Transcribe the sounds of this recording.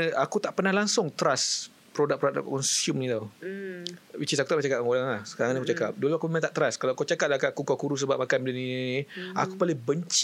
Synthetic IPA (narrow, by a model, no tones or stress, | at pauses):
akut̪aʔpərnahlaŋsʊŋt̪əɾas | pɾodak̚pɾok̚a̰kkɔnsjumnit̪aw | wit͡ʃisakut̪apat͡ʃakap̚aŋolaŋlahsə̥kaɾaŋnikut͡ʃakap̚doluakuməmãnt̪aʔt̪əɾaskalakot͡ʃakat̚lakaʔkukɔkuɾus̬əbap̚makanbidəninia̰kupalibəɲt͡ʃ